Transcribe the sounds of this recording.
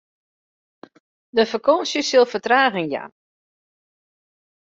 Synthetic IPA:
dəfəkʰɔːnsjəsilˠfətraːɣənja̰

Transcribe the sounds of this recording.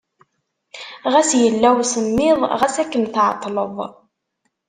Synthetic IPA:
ʁæsjəlːæwsəmːɪðˤʁæsækːənθʕɑ̰t̪ˤːləðˤ

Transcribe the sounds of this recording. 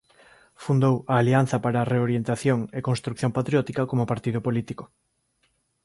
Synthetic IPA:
fund̪owɐːlian̟θɐpaɾaːreoɾjent̪aθjoŋekonst̪ɾukθjompat̪ɾjɔt̪ikɐkomopaɾt̪ið̞opolit̪iko̥

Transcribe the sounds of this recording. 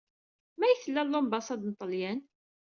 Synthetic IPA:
mæjθəlːælːombɑsˤɑd̪nt̪ˤəljæn

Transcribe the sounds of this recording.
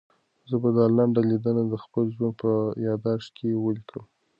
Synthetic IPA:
zəbad̪ɑlaɳɖalid̪ənad̪əxpəlʒwanpəjɑd̪ɑʂkʰewəlikʰəm

